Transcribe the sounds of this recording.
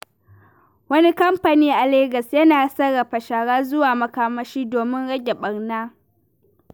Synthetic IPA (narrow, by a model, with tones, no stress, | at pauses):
wɐ˦ni˦kɐ˦mpa˨niː˦ʔa˨leː˦ɡɐ˨sjɐ˦naː˨sɐ˦ɽɐ˨ɸɐ˨ʃa˨ɽaː˦zʊ˦waː˨mɐ˨kaː˦mɐ˦ʃiː˦doː˨mɪ˦nɽɐ˦ɡʲɛ˨ɓɐ˨rnaː˦